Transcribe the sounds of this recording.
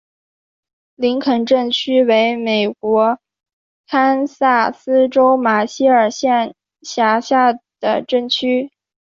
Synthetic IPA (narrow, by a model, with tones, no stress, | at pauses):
li˧˥ŋkʰə˨˩nʈ͡ʂə˥˩ŋt͡ɕʰy˥we˧˥ɪme˨˩ɪkwɔ˧˥ | kʰa˥nsa˥˩sɹ̩˥ʈ͡ʂo˥ʊma˨˩ɕi˥ə˞˨˩ɕjɛ˥˩n | ɕja˧˥ɕja˥˩d̪̥ə̰˩ʈ͡ʂə˥˩ŋt͡ɕʰy˥